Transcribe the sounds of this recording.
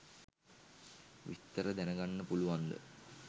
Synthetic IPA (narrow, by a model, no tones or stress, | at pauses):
ʋḭt̪ːəɾəd̪ænəɡanːəpuluʋand̪ə̰